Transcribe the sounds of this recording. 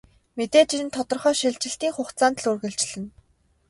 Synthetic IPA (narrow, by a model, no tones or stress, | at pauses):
met̪eːt͡ɕĭɮɘ̆nt̪ʰɔt̪ɞ̆rχœːʃiɮt͡ɕɪ̆ɬt̪iːŋχʊχt̪t͡saːnt̪̆ɮurɣɘ̆ɮt͡ɕɮɘ̆n